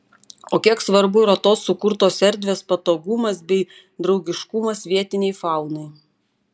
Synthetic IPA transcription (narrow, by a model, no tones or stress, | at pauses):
oːkʲiɛksʋɐɾbʊɪɾɐt̪oːsːʊkʊɾt̪oːsɛɾʲd̪ʲʋʲeːspɐt̪oːɡʊmɐsbʲɛɪ | d̪ɾɒʊɡʲɪʃkʊmɐsʋʲiɛt̪ʲɪnʲɛɪfɑˑʊnɐɪ